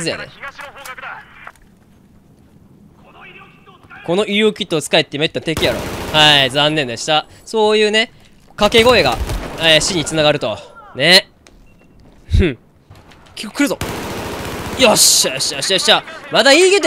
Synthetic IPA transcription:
zɨja̰nḛ | ko̞no̞ʔiokʲit̪ːoːt͡sɨ̥kaet̪ːeimet̪ːat̪e̞kʲijaɾo̞̰haizãnːend̪eɕi̥t̪a | so̞ːjɯ̟ːne̞ | kake̞ɡo̞e̞ɡa̰eɕiɲ̟it͡sɨnaɡaɾɯ̟t̪o̞ne | kʲi̥ko̥kʰɯ̟ɾɯ̟zo | joɕaɕaɕaɕamad̪aiːɡet̪

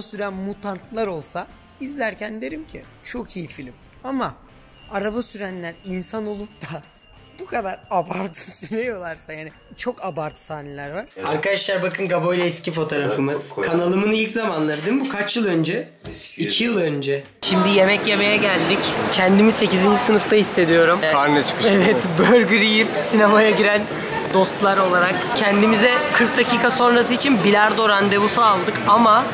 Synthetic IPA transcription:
syɾænmut̪ʰant̪ʰlˠaɾo̞lˠsa | izlʲæɾcʰænd̪e̞ɾimcʰi | t͡ʃʰo̞kʰijifilʲim | ama | aɾabasyɾænlʲæɾinsano̞lˠupt̪ʰa | bukʰad̪aɾabaɾt̪ʰɯ̥syɾejo̞lˠaɾsajaːnit͡ʃʰo̞kabaɾt̪ʰɯ̥saːne̞lʲæɾvaɾ̥aɾkad̪aʃlˠaɾbakʰɯnɡabo̞jlʲɛiscifo̞t̪ʰo̞ɾafɯmɯz̥kʰanalˠɯmɯnilʲczamanlˠaɾɯd̪emmbukʰat͡ʃjɯlˠø̞nd͡ʒɛ | icʰijɯlˠø̞nd͡ʒɛ | ʃimd̪ije̞mɛcje̞me̞jɛɟælʲd̪iccʰɛnd̪imize̞cizind͡ʒisɯnɯft̪ʰahisːe̞d̪ijo̞ɾumaɾnɛt͡ʃʰɯ̥kɯevɛt̪bøɾɟyɾijipsinemajaɟiɾæn | d̪o̞st̪lˠaɾo̞lˠaɾakcʰɛnd̪imizɛkʰɯɾk̚d̪acʰiːkʰaso̞nɾas̬ɯit͡ʃʰinbilʲaɾd̪o̞ɾand̪e̞vusaalˠd̪ɯkama

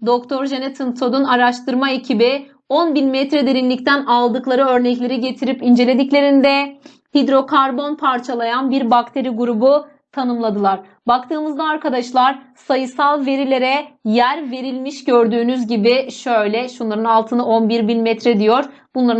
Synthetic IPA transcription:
d̪o̞k̚t̪ʰo̞ɾʒenɛt̪ʰɯnt̪ʰo̞d̪unaɾaʃt̪ʰɯɾmaecʰibi | o̞nbinmɛt̪ɾɛd̪e̞ɾinlʲict̪ʰænalˠd̪ɯklˠaɾɯø̞ɾnɛclʲe̞ɾiɟe̞t̪ʰiɾipind͡ʒe̞lʲe̞d̪iclʲe̞ɾind̪ɛ | hid̪ɾo̞kʰaɾbo̞npʰaɾt͡ʃʰalˠajanbiɾbak̚t̪ʰe̞ɾiɡuɾubu | t̪ʰanɯmlˠad̪ɯlˠaɾ̥ | bak̚t̪ʰɯːmɯzd̪aːɾkʰad̪aʃlˠaɾ | sajɯsalˠve̞ɾilʲe̞ɾɛjæɾve̞ɾilʲmiʃɟø̞ɾd̪yːnyzɟibiʃø̞jlʲɛʃunlˠaɾɯnalˠt̪ʰɯnɯo̞nbiɾbinmɛt̪ɾɛd̪ijo̞ɾ̥ | b̥unlˠaɾ

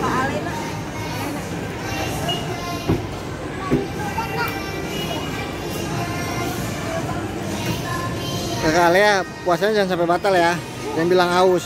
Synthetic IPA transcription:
səkalejapuasaɲad͡ʒaansampebat̪alja | jaŋbilaŋaus

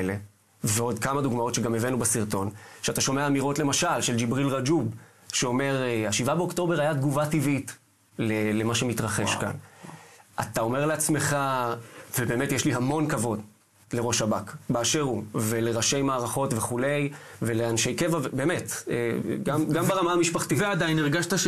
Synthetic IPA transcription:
le̞ | veo̞dkamaduɡmao̞tʃeɡamevenubesiʁto̞nʃeataʃo̞meaːmiʁo̞tle̞maʃalʃeld͡ʒibʁilʁad͡ʒub | ʃeo̞me̞ʁaʃivabeo̞kto̞be̞ʁajat̪ɡuvativit | lele̞maʃe̞mitʁaχe̞ʃka̰n | ʔa̰t̪ao̞me̞ʁleat͡sme̞χavebe̞ːme̞tjeʃliɦamo̞nkavo̞d | le̞ʁo̞ʃabakbaːʃe̞ʁuve̞le̞ʁaʃe̞jmaːʁaχo̞tve̞χule̞jve̞le̞anʃe̞jkevavebeːme̞tḛɡamɡambeʁamaamiʃpaχt̪ivead̪ajiniʁɡaʃtaʃ

